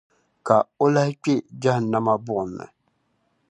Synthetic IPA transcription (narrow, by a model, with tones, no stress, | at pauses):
ka˨o˦la˦hɪ˦k͡pe˦d͡ʒa˦hna˦ma˦bʊ˦ʔʊ˨nː˨ɨ̰˨